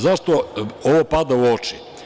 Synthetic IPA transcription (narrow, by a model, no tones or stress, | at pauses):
zaʃt̪ooʋopad̪auot͡ʃi